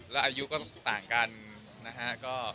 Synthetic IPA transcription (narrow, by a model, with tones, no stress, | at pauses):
lɛː˦˥ʔaː˧ju˦˥kɔː˥˩saː˨˩ŋka˧n | na˦˥kʰa˦˥kɔː˥˩